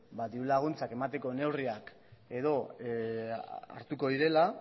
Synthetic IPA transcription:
bad̪iulaɣ̞unt͡sake̞mat̪e̞ko̞ne̞wriak | e̞ðo̞ | a̰ɾt̪uko̞ðiɾe̞la

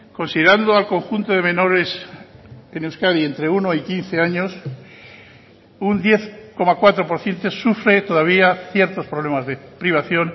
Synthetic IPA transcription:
ko̞nsiðeɾand̪oalko̞ŋxunt̪o̞ðe̞mẽ̞no̞ɾe̞s | enewskaðie̞nt̪ɾe̞uno̞ikin̟θe̞aɲo̞s | und̪je̞θko̞makwat̪ɾo̞po̞ɾθje̞nt̪e̞sufɾe̞t̪o̞ðaβ̞iaθje̞ɾt̪o̞spɾoβle̞mazðepɾiβ̞aθjo̞n

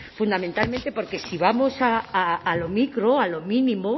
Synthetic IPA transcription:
fund̪amẽnt̪almẽnt̪epoɾke̞siβamosaːlomikɾoalomĩnĩmo

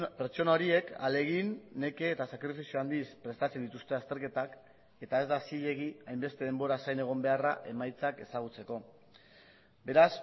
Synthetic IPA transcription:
pe̞ɾt͡ʃo̞nao̞ɾie̞ka̰le̞ɣ̞inːe̞ke̞ːt̪asakɾifisioand̪ispɾe̞st̪at͡se̞nd̪it̪ust̪e̞ast̪e̞ɾke̞t̪ak | e̞t̪ae̞zd̪asiʎe̞ɣ̞iajmbe̞st̪e̞ð̞e̞mbo̞ɾasajne̞ɣ̞o̞mbe̞araʔe̞majt͡sake̞saɣ̞ut͡se̞ko̞ | be̞ɾas

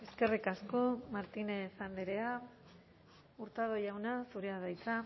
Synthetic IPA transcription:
e̞ske̞rikasko̞maɾt̪inesand̪eɾea | uɾt̪að̞o̞jawnasuɾeaðajt͡sa

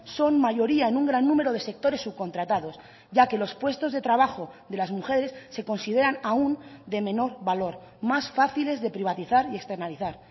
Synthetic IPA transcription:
so̞nmaʝo̞ɾiae̞nuŋɡɾanːũme̞ɾo̞ð̞e̞se̞k̚t̪o̞ɾe̞sːuβko̞nt̪ɾat̪að̞o̞s | ɟ͡ʝake̞lo̞spwe̞st̪o̞zðe̞t̪ɾaβ̞axo̞ðe̞lazmuxe̞ɾe̞sːe̞ko̞nsið̞e̞ɾanaund̪e̞mẽ̞no̞ɾβalo̞ɾ | masfaθile̞zðe̞pɾiβ̞at̪iθaɾie̞kst̪e̞ɾnaliθaɾ

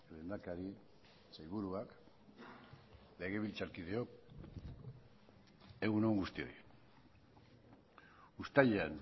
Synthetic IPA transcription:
lend̪akaɾi | sajβuɾuak | le̞ɣe̞βilt͡saɾkið̞e̞o̞k | e̞ɣunoŋɡust̪io̞̰jj | ust̪aʎean

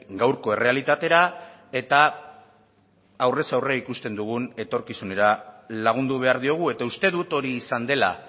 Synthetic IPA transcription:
ɡawɾko̞e̞rʔe̞alit̪at̪e̞ɾa | e̞t̪a | wre̞sawreaikust̪e̞nd̪uɣ̞une̞t̪o̞ɾkisune̞ɾalaɣ̞und̪uβ̞e̞aɾðio̞ɣ̞ue̞t̪aust̪e̞ðut̪o̞ɾiːsand̪e̞la̰

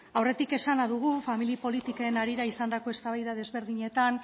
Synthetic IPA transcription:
awre̞t̪ike̞sanaðuɣ̞ufamilipo̞lit̪ikenaɾiɾaisand̪ako̞e̞st̪aβ̞ajðaðe̞zβe̞ɾðiɲe̞t̪an

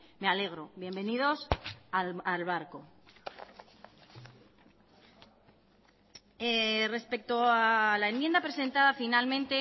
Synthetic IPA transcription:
me̞ale̞ɣ̞ɾo̞βje̞mbe̞nið̞o̞saalβaɾko̞ | ere̞spe̞k̚t̪oalaemjend̪apɾe̞se̞nt̪að̞afinalmẽnt̪e̞

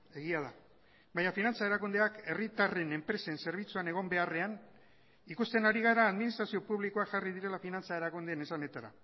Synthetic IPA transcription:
e̞ɣiað̞a | bajɲafinant͡sae̞ɾakund̪e̞ake̞rit̪are̞ne̞mpɾe̞se̞nse̞ɾβ̞it͡suane̞ɣ̞o̞mbe̞are̞an | ikust̪e̞naɾiɣ̞aɾaːðminist̪ɾasio̞puβliko̞akʝarið̞iɾe̞lafinant͡sae̞ɾakund̪enesane̞t̪aɾa̰

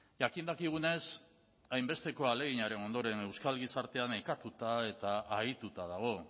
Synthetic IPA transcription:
ʝakind̪akiɣ̞une̞s | ajmbe̞st̪e̞ko̞ale̞ɣ̞iɲaɾe̞no̞nd̪o̞ɾe̞ne̞wskalɣisaɾt̪e̞anekat̪ut̪ae̞t̪aːit̪ut̪að̞aɣ̞o̞

